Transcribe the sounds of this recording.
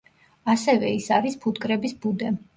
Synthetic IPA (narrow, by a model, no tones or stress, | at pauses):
asɛvɛisaɾispʰut̪kʼɾɛbisbud̪ɛ